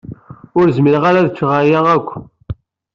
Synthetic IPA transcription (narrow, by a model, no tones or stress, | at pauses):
ʊɾzmiɾʁaɾaðt͡sːʁajæʁækʷː